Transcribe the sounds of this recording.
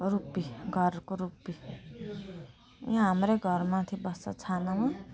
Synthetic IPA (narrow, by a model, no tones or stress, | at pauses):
rupːiɡʱʌrkoɾupːi | jãɦamrʌjɡʱʌrmat̪ʰibʌsʌ̰t͡sʰanʌmʌ